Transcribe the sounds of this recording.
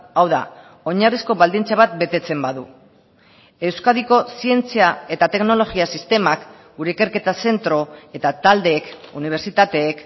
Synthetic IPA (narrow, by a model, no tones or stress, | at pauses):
awða̰ | o̞ɲarisko̞βald̪int͡saβat̪̚be̞t̪e̞t͡se̞mbaðu | e̞wskaðiko̞sie̞nt͡siae̞t̪at̪e̞kno̞lo̞ɣiasist̪e̞mak | ɡuɾe̞ike̞ɾke̞t̪ase̞nt̪ɾo̞e̞t̪at̪ald̪e̞ːkuniβ̞e̞ɾt͡sit̪at̪e̞ːk